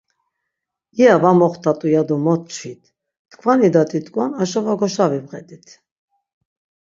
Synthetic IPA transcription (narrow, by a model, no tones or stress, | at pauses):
iavamɔχt̪ʰat̪ʼujad̪ɔmɔt̪̚t͡ʃʰit̪ʰ | t̪kʰvanid̪at̪ʼit̪ʼkʼwanaʃɔvaɡɔʃavibʁɛd̪ʼit̪ʰ